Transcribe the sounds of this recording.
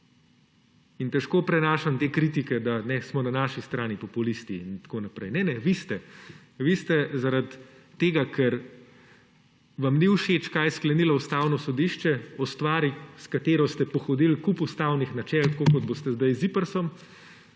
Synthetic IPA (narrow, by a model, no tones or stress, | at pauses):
int̪ɛʃkoːpɾɛnaːʃamt̪eːkɾit̪ikɛd̪anɛsmɔnanaʃist̪ɾaːnipɔpulist̪iint̪akonapɾɛjnɛnɛʋist̪ɛ | ʋist̪ɛzaɾat̪ː | eːɡakʰɛɾ | ʋamniuʃet͡ʃkajsklɛnilaust̪aːwnɔsɔd̪iʃt͡ʃɛɔst̪ʋaːɾiskat̪eːɾɔst̪ɛpɔxɔd̪ilkupust̪awnixnat͡ʃɛlt̪koːkɔd̪̚bost̪ɛzd̪ajzipəɾsɔm